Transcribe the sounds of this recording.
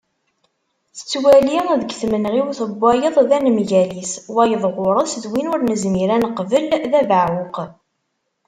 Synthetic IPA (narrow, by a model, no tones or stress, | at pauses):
θə̥t͡sːwæliðəɡθmənʁiwθəbːæjəðˤðænmʝæliswæjəðˤʁʊɾˤɑsðwinʊɾnəzmiɾænəqvəlðævəʕwʊq